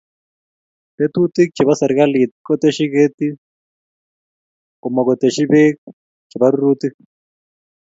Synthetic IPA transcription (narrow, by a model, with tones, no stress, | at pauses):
pe˦tu˦t̪i˦k̚t͡ʃʰɛ˨βa˦sa˨ɾi˦ka˦li˨tkɔ˦t̪e˦ʃi˦ɣe˦ti˦ | kɔ˨ma˨kɔ˨t̪e˨ʃi˦βe˦k | d͡ʒɛ˨βa˦ɾu˦ɾuːti˦